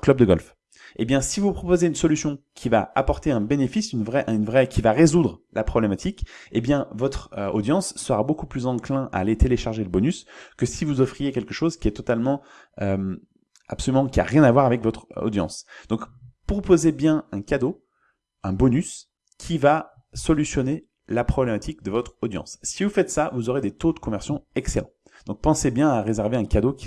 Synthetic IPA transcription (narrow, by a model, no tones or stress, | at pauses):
klœb̚d̪əɡɔlf | ebjɛ̃sivupχɔpozeynsɔlysjɔ̃kʲʰivaapɔʁt̪eɛ̃benefisynvʁɛʔnvʁɛkʰʲivaʁezud̪ʁlapχɔblemat̪ʰikebjɛ̃vɔt̪χøo̰d̪jɑ̃sːəʁabokuplyzɑ̃klɛ̃ʔa̰ːlet̪eleʃaʁʒeləbɔnyskəsivuzɔfχijekʲɛlkəʃozkʲiɛt̪ɔt̪almɑ̃ | øm | a̰psɔlymɑ̃kʲia̰ʁjɛ̃navwaʁavɛkvɔt̪χɔ̰d̪jɑ̰̃sd̪̥ɔ̃kpχɔpozebjɛ̃ɛ̃kʲad̪o | ɛ̃bɔnys | kʲʰiva | sɔlysjɔne | lapχɔblemat̪ʰik̚d̪əvɔt̪χɔd̪jɑ̰̃sːivufɛt̪savuzoʁed̪et̪od̪əkɔmɛʁsjɔ̃ɛkselɑ̰̃ | d̪̥ɔ̃k̚pɑ̃sebjɛ̃aʁezɛʁveɛ̃kad̪okʲi̥